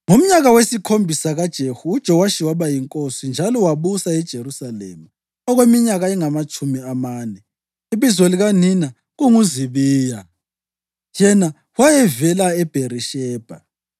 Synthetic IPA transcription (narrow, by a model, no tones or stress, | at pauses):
ŋum̩ɲaɣawesikʰombʱisaɣad̥ʒ̥ʱehuːd̥ʒ̥ʱɔwaʃiwaβajiŋkʼosind͡ʒʱalɔwaβusaɛd̥ʒ̥ʱeɾusalḛma | ɔɣwemiɲaɣaɛŋamat͡ʃʼumiamaːnɛ | iβizoliɣanina | ɣuŋuziβiːja | jɛna | wajɛvɛlaɛb̥ʱeɾiʃɛːb̥ʱa